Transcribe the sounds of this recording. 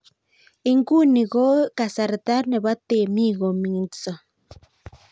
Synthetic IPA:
i˦ŋku˦ni˨ɣo˦ka˨sa˨ɾt̪a˦ɾne˨βa˦t̪e˨mi˦ɣo˨mi˨so˨

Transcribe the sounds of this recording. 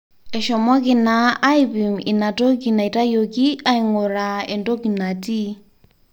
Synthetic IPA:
ɛʃɔ˨mɔ˦kinaː˦ipi˨mḭ˨na˨to˦ki˨na˨i˨ta˦jokia˦iŋɔɾa˨ɛ˨ndɔ˦ki˨na˨ti˦

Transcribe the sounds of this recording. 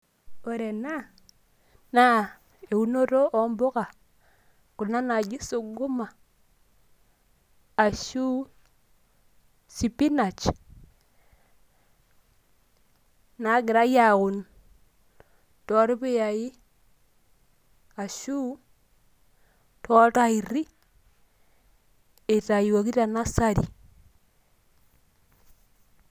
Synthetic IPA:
o˨ɾɛ˨na˦ | na˦ | e˨u˦no˦ɾo˦ʔɔ˨mbɔ˦ka˨ | ku˨na˦na˨d͡ʒi˦so˨ɡu˦ma˨ | a˨ʃu˦ | si˨pi˦na˨t͡ʃ | na˨˦ɡɪ˨ɾa˦ja˨ɣu˨n | tɔ˦ɾi˦bɪ˦ja˨ji˦ | a˨ʃu˦ | tʰɔ˦ta˦i˨ɾi˦ | e˨ta˨ji˨wa˨ki˦ta˨na˦sa˦ɾi˨

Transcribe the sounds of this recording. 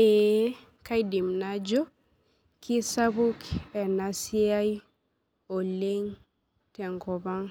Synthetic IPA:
e | ka˦jdi˨mnad͡ʒo˦ | kʰi˦sabu˦kɛ˨nasi˦a˦j | o˨leŋ | tɛ˨ŋɡɔba˦ŋ

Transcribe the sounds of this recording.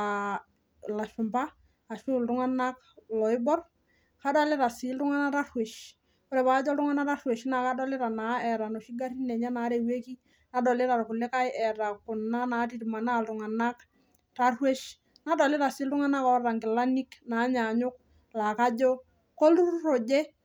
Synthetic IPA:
a˨ | la˨ʃʊ˨mbaː˦˨ | ʃʊ˦ltʊ˦ŋa˦na˦k | lɔ˨ɪ˦bɔ˦r | ka˦da˦lɪ˦ɾa˨si˦ltʊ˦ŋa˦na˦ɾa˦rwe˨ʃ | o˦ɾɛ˨ba˦d͡ʒɔ˦ltʊ˦ŋa˦na˦ta˦rwe˨ʃna˨ka˦dɔ˦lɪ˦ɾa˨na˨˦ɛ˨ɾa˨no˨ʃi˦ɡa˦ɾi˦nɛ˨ɲa˦na˨˦ɾe˨we˦ki˦ | na˨˦dɔ˨lɪ˦ɾa˨ɾkʊ˨le˦ka˦jɛ˨ɾa˨kʊ˨na˦na˨˦ti˨ɾi˨ma˨na˦˨ltʊ˨ŋa˨na˦k | ta˦rwe˦ʃ | na˦dɔ˨lɪ˦ɾa˨sɪ˦ltʊ˦ŋa˦na˦kɔ˨˦ɾa˨ŋɡɪ˨la˦ni˦kna˨˦ɲa˨ɲʊ˦k̚ | la˨ka˦d͡ʒɔ˦ | ko˦lu˦ɾo˨d͡ʒe˦

